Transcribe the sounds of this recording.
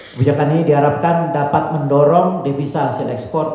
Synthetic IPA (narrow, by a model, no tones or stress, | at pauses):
bud͡ʒakaniidiɦaɾap̚kandapat̪̚məndɔɾɔŋdefisasilɛ̰kspɔrt̪̚